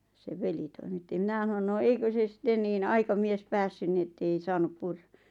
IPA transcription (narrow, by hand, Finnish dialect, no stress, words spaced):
seʋ̆ ʋeli toimitːi mĭnæ h̆ɑ̆non no eikø se sĭtːen niːn ɑikɑmies pæsːyn ni etːei sɑːnup purːɑ